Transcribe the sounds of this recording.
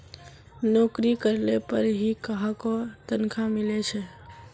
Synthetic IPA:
nokɾikəɾlepəɾɦikəɦãkot̪ənkʰamilet͡ʃʰɛ

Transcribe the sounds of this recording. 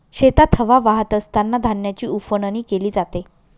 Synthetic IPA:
ɕet̪at̪ʰəʋaʋaɦət̪əst̪ʰanːad̪ʱanjat͡ɕiːufəɳəniːkeliːd͡zat̪e

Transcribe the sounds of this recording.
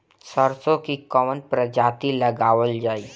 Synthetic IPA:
səɾsõkikɔːmənpɾəd͡ʒaːt̪ilɐɡaːʋəld͡ʒaːiː

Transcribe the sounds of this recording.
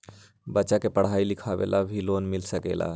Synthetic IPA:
bətːʃakepəɽ̤aːilikʰaʋḛlabʱiloːnmɪlsəkḛla̰

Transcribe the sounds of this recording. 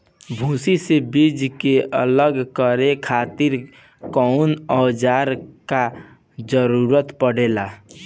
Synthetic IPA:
bʱũsisebid͡ʒkeʔə̰ləɡkəɾekʰat̪iɾ | kɔʊnəwd͡ʒaɾka | d͡ʒəɾuɾət̪pəɽ̤ela

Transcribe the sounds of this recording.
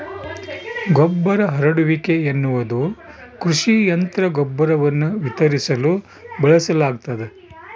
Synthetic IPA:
ɡɔbːɐɾɐɦɐɾɐɽuʋikeenːuʋɐd̪ukɾuʂijɐnt̪ɾɐɡɔbːɐɾɐʋɐnːuʋit̪ɐɾisɐlu | bɐɭɐsɐlaːɡ̚t̪ɐd̪e

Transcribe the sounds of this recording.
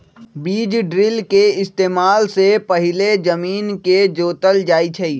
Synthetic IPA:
biːd͡ʒɖɾɪlkeɪst̪eːmaːlsepɐɦɪled͡ʒəmiːnked͡ʒoːt̪əld͡ʒaːit͡ʃʰəi

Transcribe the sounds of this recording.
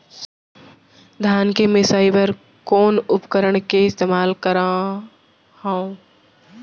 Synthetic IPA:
d̪ʱaːnkemẽsaːɪbəɾ | koːnʊpkəɾəɽ̃keɪst̪eːmaːlkəɾã | hã

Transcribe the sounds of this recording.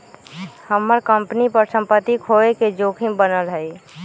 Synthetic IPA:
həmːəɾkəmpnipəɾsə̃mpət̪ːikʰoːeked͡ʒoːkʰɪ̃ŋbənəlɦɛi

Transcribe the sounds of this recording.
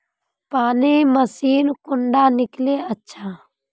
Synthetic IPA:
paːniːməsiːnkʊɳɖaːnɪkleːətːʃʰaː

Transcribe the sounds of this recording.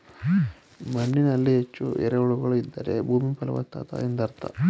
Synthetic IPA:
mɐɳːinɐlːiɦet͡ʃːuʔɛ̰ɾɐuɭuɡɐɭuid̪ːɐɾḛbʱuːmipɐlɐʋɐ̰t̪ːa̰t̪a̰end̪ɐɾt̪a̰

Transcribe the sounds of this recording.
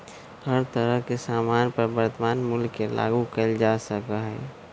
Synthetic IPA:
həɾt̪əɾəɦkesaːmaːnpəɾbəɾt̪əmaːnmʊlkːela̰ːɡukəld͡ʒaːsəkaɦɛ̰ː

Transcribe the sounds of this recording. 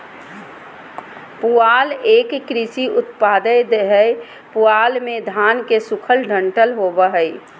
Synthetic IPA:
puaːleːkkɾɪsiʊt̪paːd̪əjd̪eɦəe | puaːlmẽd̪ʱaːnkesʊkʰəlɖʱə̃ɳʈəlɦoːbəɦəj

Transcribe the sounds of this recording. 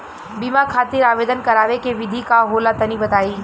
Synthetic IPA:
biːmakʰaːt̪ɪɾaːʋeːd̪ənkɐɾaːʋekeʋɪd̪ʱikaɦoːlat̪ɐnibɐt̪aːiː

